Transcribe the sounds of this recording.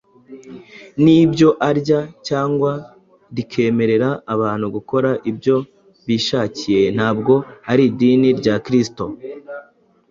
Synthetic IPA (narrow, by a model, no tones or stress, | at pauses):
nibɟo̞ʔaɾɟacaːŋɡwa | ɾikʰe̞ːme̞ɾe̞ɾaːβaːn̥huɡuko̞ɾaʔibɟo̞ | βiːʃaːcije̞n̥aːbɡo̞aɾidiːniɾɟaːkɾisto̞